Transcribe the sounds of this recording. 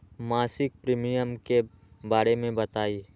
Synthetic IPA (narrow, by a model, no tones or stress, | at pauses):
maːsɪk̚pɾiːmijəmke | baːɾemẽbɐt̪aːiː